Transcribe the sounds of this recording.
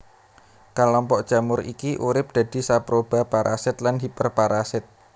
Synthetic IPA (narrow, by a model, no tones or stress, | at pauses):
kalɔmpɔʔd̥ʒ̥ä̤mʊɾḭkiʔuɾɪp̚d̪̥ä̤d̪̥i̤sapɾob̥a̤paɾʔasɪt̪̚landipərpaɾasɪt̪̚